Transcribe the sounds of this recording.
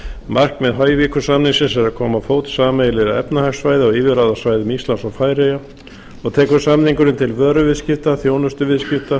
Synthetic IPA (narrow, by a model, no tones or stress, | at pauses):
mar̥kmɛðɦœːjvikʏsamninsɪnsɛɾakʰɔːmafoːwt̪saːmajlɪɾaɛ̰pnahasvaːjðɪɔɣiːvɪɾaːðasvaːjðɪmist̪lansawfaːjɾeja | ɔɣt̪ʰɛːkʏsamniŋkʏɾɪnt̪ʰɪlvœːɾʏvɪðscɪft̪aθjoːwnʏst̪ʏvɪðscɪft̪a